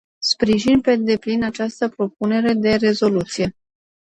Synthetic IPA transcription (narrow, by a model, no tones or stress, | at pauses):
spɾiʒinpe̞d̪e̞plinat͡ʃast̪əpɾo̞p̚une̞ɾe̞d̪e̞re̞zo̞lut̪sije̞